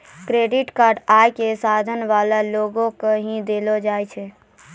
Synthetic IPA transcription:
kɾeɖiʈkaːɾɖajkesad̪ʱənʋalaloɡõkeɦĩd̪elod͡ʒaːjt͡ʃʰɛ

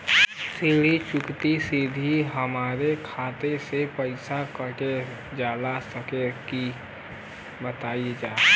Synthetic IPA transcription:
siɽit͡ʃʊkt̪isɪd̪ʱiɦəmaːɾekʰaːt̪esepəɪsakəɾke | d͡ʒaːlasəkeki | bət̪aːied͡ʒaː

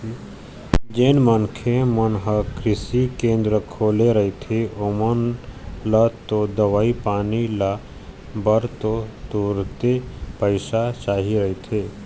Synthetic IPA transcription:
d͡ʒeːnmənkʰemənɦəkɾɪsikẽːnd̪ɾəkʰoːleɾɐɦit̪ʰeomənlat̪od̪əʋaːipaːnila | bəɾt̪ot̪uːɾt̪epəɪsat͡ʃaːɦiɾɐɦit̪ʰeː

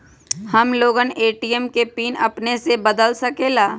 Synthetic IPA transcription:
hɐmloːɡəneːʈiːjəmkepiːnɐpnesebəd̪əlsɐkeːlaː

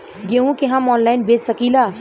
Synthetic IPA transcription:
ɡeɦũkeɦəmɔːnlaɪnbesəkila

